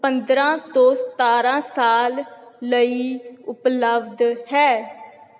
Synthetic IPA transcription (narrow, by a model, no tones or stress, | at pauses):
pənd̪ɾãːt̪õːst̪aːɾãːsaːlːəiːʊpləbd̪hɛː